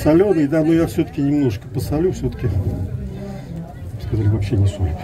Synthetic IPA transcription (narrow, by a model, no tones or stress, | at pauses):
sɐlʲonɨjd̪anojafsʲɵt̪ə̥kʲɪnʲɪmnoʐɨkə̥pəsɐlʲufsʲot̪ə̥kʲɪ | skɐzalʲɪvɐpɕːenʲɪsujʲɪk